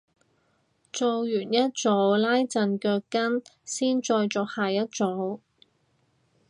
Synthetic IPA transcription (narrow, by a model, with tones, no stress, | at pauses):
t͡so˨˧wjyː˨˩njɐ˥t̚t͡so˨˧˥wlaː˥jt͡sɐ˧nkœː˧kːɐ˥nsiː˥nt͡ʃɔː˧jt͡sɔː˨˧k̚haː˨jɐ˥t̚t͡so˨˧˥w